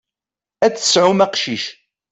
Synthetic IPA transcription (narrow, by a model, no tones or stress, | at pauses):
æt͡sːə̥sʕʊmæqʃiʃ